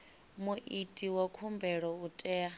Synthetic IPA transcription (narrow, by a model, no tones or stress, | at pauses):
muʔitʼiwakʰumbʱɛɺɔutʼɛːa